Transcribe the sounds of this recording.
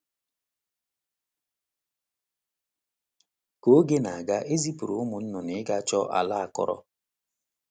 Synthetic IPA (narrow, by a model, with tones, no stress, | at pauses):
ko˦ɡe˦na˨a˨ɡa˦ʔe˦zi˦pu˨ɾu˨ʊ˦mʊ˨n̩˦nʊ˨nɪ˨˦ɡa˦t͡ʃɔ˦ʔa̰˨la˦a˨kɔ̰˦ɾɔ̰˦